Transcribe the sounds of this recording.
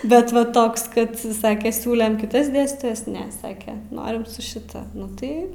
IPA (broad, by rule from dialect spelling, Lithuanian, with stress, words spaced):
ˈbʲɛt ʋɐ ˈtoːks ˈkɐt ˈsɑːkʲɛ ˈsʲuːlʲɛm kʲɪˈtɐs ˈdʲeːsʲtʲiːtoːjɛs ˈnʲɛ ˈsɑːkʲɛ ˈnoːrʲɪm sʊ ʃʲɪˈtɐ ˈnʊ ˈtɐɪ